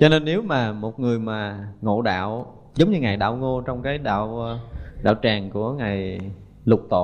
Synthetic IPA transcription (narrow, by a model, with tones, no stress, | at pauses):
t͡ɕɔ˧ne˧nːe˨˦wmaː˨˩mo˨˩t̚ŋɨ˨˩əjmaː˨˩ŋo̰˧˨ɗa̰ː˧˨w | zə˨˦wŋ͡mɲɨ˧ŋa˨˩jɗa̰ː˧˨wŋo˧t͡ɕɔ˧wŋ͡mkaː˨˦jɗa̰ː˧˨w | ɗa̰ː˧˨wt͡ɕaː˨˩ŋku˧˩əŋa˨˩j | lʊ˨˩k͡p̚t̪o̰˧˨